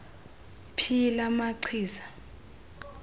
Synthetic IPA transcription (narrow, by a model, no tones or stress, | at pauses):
pʰilamaǀʰiːza